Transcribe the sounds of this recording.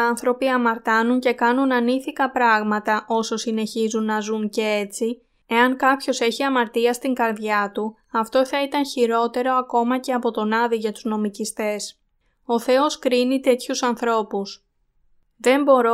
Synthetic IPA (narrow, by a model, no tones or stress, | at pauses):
ɐnθɾo̞piɐmɐɾt̪ɐnuɲce̞kɐnunɐniθikɐpɾɐɣmɐt̪ɐʔo̞so̞sine̞çizunːɐzuɲce̞et͡si | e̞ɐŋkɐpço̞se̞çiɐmɐɾt̪iɐst̪iŋɡɐɾðʝɐt̪u | ɐft̪o̞θɐit̪ɐnçiɾo̞t̪e̞ɾo̞ɐko̞mɐce̞ɐpo̞t̪o̞nɐðiʝɐt̪uzno̞micist̪e̞s | o̞θe̞o̞skɾinit̪e̞t̪çusɐnθɾo̞pus | ðe̞mbo̞ɾo